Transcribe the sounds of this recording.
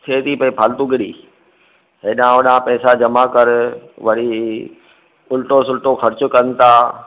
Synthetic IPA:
t̪ʰeːt̪ipɐipʰaːlt̪uɡɪɽḭː | ɦɪɗãʊɗãpɛːsad͡ʑɐmakɐɾʋɐɽi | ʊlʈosʊlʈoxɐɾt͡ɕʊ̆kɐnɪ̆t̪ʰaː

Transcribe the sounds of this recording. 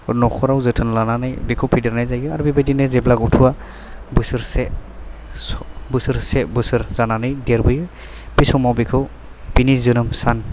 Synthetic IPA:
nɔkʰɔɾawzɯtʰɯnlananajbikʰɯwpʰidiɾnajzajɡɯaɾbibajdinɯzeblakɔtʰuwa | bɯsɯɾse | sɔbɯsɯɾsebɯsɯɾzananɯjdeɾbɯjɯ | pisɔmawbikʰɯw | pinizɯnɯmsan

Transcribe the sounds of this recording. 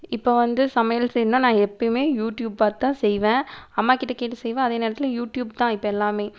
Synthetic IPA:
ɪpːoːʋɐnd̪ɯsɐmɐjɐlsɛjɾnõːnãːɛpːɐɪmeːjuːʈjuːb̚paːt̪ːãːsɛjʋẽːɐmːaːkɪʈːɐkeːʈːɯsɛjʋẽːɐðeːneːɾɐt̪ːɪljuːʈjuːbt̪ãːɪpːoɛlːaːmeː

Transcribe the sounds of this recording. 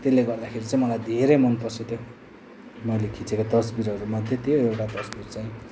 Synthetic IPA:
t̪elːeɡʌrd̪akʰeɾit͡saĩmʌlajd̪ʱeɾemonpʌsut̪jo | mʌjlekʰit͡sekat̪ʌsbiɾʌɾumʌd̪ʱjet̪ijoewʈat̪ʌsbirt͡saĩ

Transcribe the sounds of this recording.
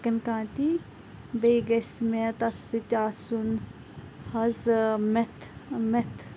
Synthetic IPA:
kɐnkãːt̪i | bejɡɐsmet̪ɐsitʲaːsun | hɐzmet̪met̪ʰ

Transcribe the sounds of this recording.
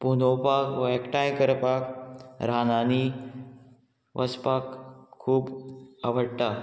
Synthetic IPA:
punopakʋəekʈajkəɾpakɾanani | ʋʔəspakʰːuːbaʋəɽʈ̪a

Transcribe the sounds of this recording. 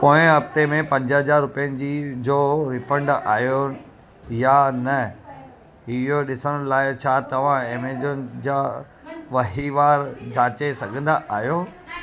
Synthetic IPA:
poːɪ̃ɐbt̪emẽpɐ̃ɲd͡ʑɦɐzaːɾːʊpijənɪ̆d͡ʑid͡ʑoːɾɪfə̃ɳɖaːɦjo | janɐ | ɪɦoɗɪsəɽ̃ʊlaːɪt͡ɕʰat̪ɐʋ̤ãemeːd͡ʑʊnɪd͡ʑaː | ʋɐɦiʋaːɾd͡ʑãːt͡ɕesɐɡʱə̃nd̪aʔaːɦjo

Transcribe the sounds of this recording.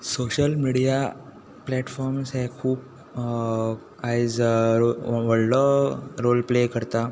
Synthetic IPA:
soɕəlmiɽija | plɛʈfɔɾmsɦɛkʰuːp̚ | ajd͡zoʋəɽːɔɾolplekəɾt̪a

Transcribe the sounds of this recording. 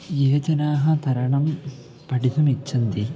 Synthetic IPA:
jeːd͡ʒɐnaːɦɐt̪ʰɐɾɐɳɐm | pɐʈit̪ɐmit͡ʃːind̪i

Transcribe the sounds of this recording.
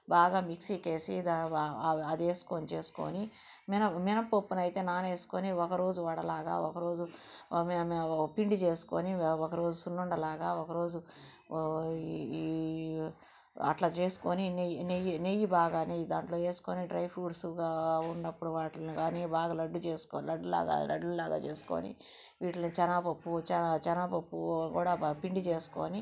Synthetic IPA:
baːɡaːmiksiːke̞ːsḭd̪a | ɐd̪e̞ːsu̥konit͡ʃe̞ːsu̥ko̰ːniminɐminɐpopːunɐjt̪e̞ːnaːne̞ːsu̥koniɔkɐɾo̞ːd͡ʒuʋaːɽɐlaːɡa̰ːɔkɐɾo̞ːd͡ʒumpiɳɖit͡ʃe̞ːsu̥ko̰ːniɔkɐɾo̞ːd͡ʒusunːuɳɖɐlaːɡaːɔkɐɾo̞ːd͡ʒu | ɐ̰ʈlaːt͡ʃe̞ːsu̥koːninenejinejibaːɡaːned̪aːɳʈlo̞ːt͡ʃe̞ːsu̥ko̞ːniɖɾɐjpʰuːɖsɡaunːɐpːuɽuʋaːʈlɐnikaːniːbaːɡaːlɐɖːut͡ʃe̞ːsu̥koːlɐɖːula̰ːɡa̰ːlɐ̰ɖːulaːɡa̰ːt͡ʃeːsu̥ko̰ːnḭ | ʋiːʈlɐnit͡ʃɐnapɐpːut͡ʃt͡ʃɐnapɐpːukuːɽaːpiɳɖit͡ʃe̞ːsu̥ko̰ːni

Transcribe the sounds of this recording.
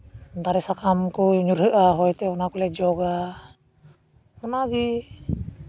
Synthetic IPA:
d̪aɾɛsakamkuɲuɾɦəʔaɦɔjt̪ɛunakulɛd͡ʒɔɡa | munaɡi

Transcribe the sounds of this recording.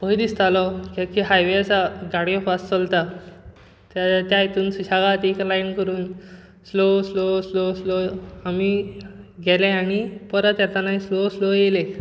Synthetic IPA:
bʱəjd̪ist̪alɔkekiɦajʋeəsaɡaɽiɔfast͡səlt̪a | t̪at̪jait̪uːnsuɕaɡat̪eklajinkəɾuːn | slosloslosloami | ɡʱɛleaɽ̃ipəɾət̪jat̪anaisloslojele

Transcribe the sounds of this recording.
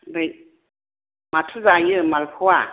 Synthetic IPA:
daj | matʰɯzajɯmalpʰua

